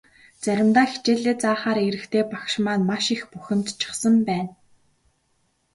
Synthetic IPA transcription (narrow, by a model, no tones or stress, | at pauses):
t͡sæɾʲɪ̆mt̪aːxi̥t͡ɕeːɮeːt͡saːχaːɾeɾɘ̆kt̪ʰeːpakʃmaːnmaʃixpuxʲɪ̆m̥t̪t͡ɕʰɪ̥̆χsə̆mpæːn